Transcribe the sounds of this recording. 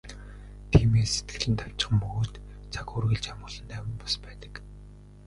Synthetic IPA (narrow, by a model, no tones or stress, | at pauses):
t̪ʰiːmeːsːet̪̚ɡɘ̆ɮɘ̆nt̪aw̥t͡ɕɪ̆χə̆mpɵɣoːt̪ | t͡sʰakurɣɘ̆ɮt͡ɕamʊːɮə̆nt̪ʰæːwʲɪ̆mpɔ̥spæːt̪ə̥̆k